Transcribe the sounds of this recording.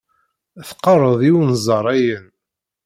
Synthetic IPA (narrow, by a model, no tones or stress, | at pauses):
θqːɑrˤəðˤiwənzˤɑɾˤæjən